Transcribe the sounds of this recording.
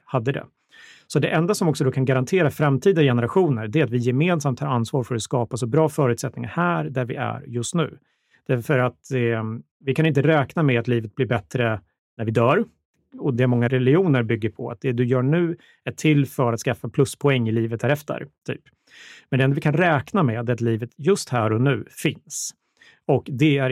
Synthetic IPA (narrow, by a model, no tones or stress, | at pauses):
had̪ːəd̪ɛ̰ | sɔd̪ɛʔɛnd̪asɔmɔksɔd̪ɔːkʰanɡaɾant̪ʰeːɾafɾamt̪ʰiːd̪ajɛnəɾaɧuːnəɾɖɛæɾat̪vɪjɛmeːnsamt̪hɑɾansvɑːɾfœɾat̪skɑːpasɔbɾɑːfœːɾʉ̟t̪sɛt̪̚nɪŋa̰ɾhæːɾd̪æɾvɪæ̰ɾjɵst̪nʉ̟̰ː | d̪̥æfœɾat̪ | vɪkʰanɪnt̪̬əɾɛːknamɛat̪liːvət̪̚blɪɾbɛt̪ɾə | næɾvɪd̪œːɾ | ɔd̪ɛæmɔŋːaɾɛlɪuːnəɾbʏɡːəɾpʰɔa̰t̪̚d̪ɛd̪ɵjœːɳʉ̟ː | æʈʰɪlːfœɾat̪skafːapʰlɵspʰɔɛŋːɪliːvət̪̚hæːɾɛft̪ə̰ɾt̪ʰy̰ːp | mɛnd̪ɛɛnd̪ɔvɪkʰanɾɛːknamɛat̪ɛat̪liːvət̪jɵst̪hæːɾɔnʉ̟ːfɪns | ɔkd̪ɛæ